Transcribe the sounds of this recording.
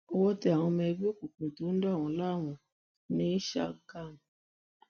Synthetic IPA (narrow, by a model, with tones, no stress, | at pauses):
o˧wɔ˦tɛ˦˧˨a˨w̃ɔ̃˧mɛ̃˧˦bi˦o˦ku˨k͡pũ˨tu˨˦n̩˦da˦˨wɔ̃˨˦la˦˨wũ˨ | nĩ˦ʃa̰˦˨ɡa˦˨m˨